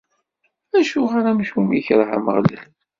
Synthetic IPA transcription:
æʃʊʁaɾamʃumjiçəɾˤɦa̰mə̰ʁlḭχ

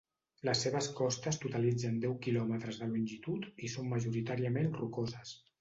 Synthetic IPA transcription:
ləsːeβ̞əskɔst̪əst̪ut̪əlid͡zənd̪ɛwkilɔmət̪ɾəzðəlunʲʒit̪ut̪isomːəʒuɾit̪aɾiəmenrukozəs

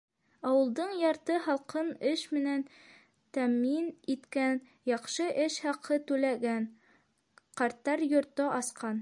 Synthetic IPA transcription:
ɑwɤ̆lˠd̪ɤɴjɑɾt̪ɤhɑlˠqɤnɘʃmɘ̆næn | t̪æminit̪kæn | jɑqʃɤʔɘʃhɑqʰɤt̪ʉlæɡæn | qɑɾt̪ːɑɾjŏɾt̪ɤʔɑsqɑn

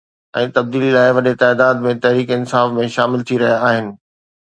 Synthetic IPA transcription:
ɛ̃ːt̪ɐb̚d̪iːlilaːɪʋɐɗet̪aːd̪aːd̪mẽt̪ɐɦɾiːkɪnsaːfmẽʃaːmɪlt̪ʰiɾɐɦijaːɦɪnɪ̆

